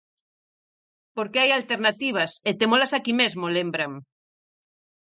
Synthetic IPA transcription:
poɾkeajalt̪eɾnat̪iβ̞ɐset̪emolasakimezmolembɾaŋ

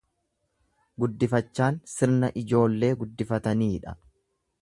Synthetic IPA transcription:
ɡʊd̪ːɪfɐt͡ʃːaːnsɪɾnɐʔɪd͡ʒo̞ːlːe̞ːɡʊd̪ːɪfɐt̪ɐniːᶑɐ̥

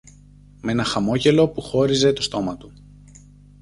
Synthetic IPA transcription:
menɐxɐmo̞ʝe̞lo̞puxo̞ɾize̞t̪o̞st̪o̞mɐt̪u

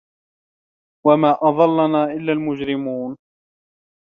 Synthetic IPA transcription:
wamaːʔɑðˤɑlːanaːʔɪlːaːlmʊd͡ʒɾɪmuːn

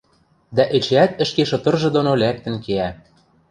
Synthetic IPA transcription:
d̪æʔĕt͡ɕæt̪ɘ̆ʃkeʃɤ̆t̪ɤ̆rʒɤ̆d̪onolæk̚t̪ə̆nkeæ

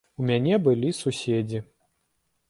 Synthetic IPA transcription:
umʲanʲɛbɨlʲisusʲed͡zʲi

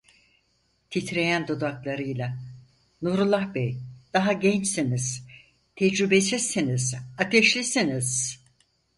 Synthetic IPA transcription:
t̪ʰit̪ʰɾe̞jænd̪od̪aklˠaɾɯjlˠa | nuɾulˠːahbɛjd̪̥aɦaɟɛnt͡ʃsiniz̥ | t̪ʰɛd͡ʒɾybesisinizat̪ʰɛʃlʲisiniz̥

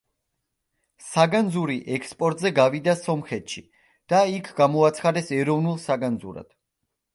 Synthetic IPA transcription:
saɡand̪zuɾiʔɛkspʼɔɾt̪ʼzɛɡavid̪asɔmχɛt̪ʃi | d̪̥aikʰɡ̥amɔat̪sʰχad̪ɛsɛɾɔvnulˠsaɡand̪zṵɾa̰d̪̥

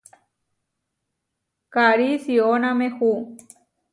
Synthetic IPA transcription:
kaɾisionamexu

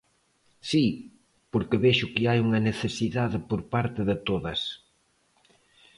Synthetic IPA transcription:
si | poɾkɪβeʃʊkɪajuŋɐneθesiðaðɪpoɾpaɾt̪ɪðɪt̪oðɐs

